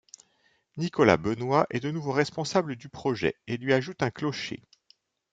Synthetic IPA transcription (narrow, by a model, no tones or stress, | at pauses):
nikɔla̰bənwaʔɛd̪ənuvoʁɛspɔ̃sabləd̪ypχɔʒɛ̰elɥiaʒut̪ɛ̃klɔʃḛ